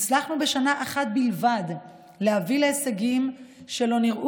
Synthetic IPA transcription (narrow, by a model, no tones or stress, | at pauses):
t͡slaχnube̞ʃanaʔaχat̪̚bilvad̪ | lehavileeseɡimʃe̞lo̞niʁʔu